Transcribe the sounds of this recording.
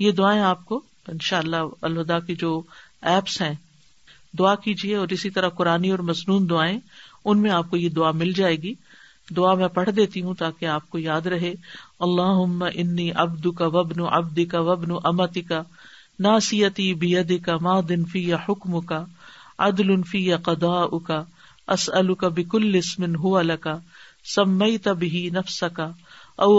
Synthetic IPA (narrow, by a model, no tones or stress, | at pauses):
jed̪ʊaːẽaːp̚ko | ɪnʃaːəlːaɐlɦʊd̪aːked͡ʒoː | ɛːpsɦɛ̃ː | d̪ʊaːkiːd͡ʒieɔːɾɪsit̪ɐɾaqʊɾaːniɔːɾmɐznuːnd̪ʊaːẽʊnmẽaːp̚kojed̪ʊamɪld͡ʒaːeːɡiː | d̪ʊamɛ̃ːpɐɽ̤d̪eːt̪iɦũt̪aːkeaːp̚kojaːd̪ɾɐɦeːɐlːaːɦʊmːaʔɪnːiːʔɐ̰bd̪ʊkaʋɐbnʊʔɐ̰b̚d̪ɪkawɐbnʊʔɐmɐt̪ɪka | naːsɪjɐt̪iːbɪjɐd̪ɪkɐmaːd̪ɪnfiːjaħʊkmʊkaʕad̪lʊnfiːjaqɑd̪ˤaːʔʊka | ʔɐsɐlʊkabɪkʊlːɪsmɪnɦʊʋalɐkasɐmːɐit̪abɪɦinɐfsɐkaɐ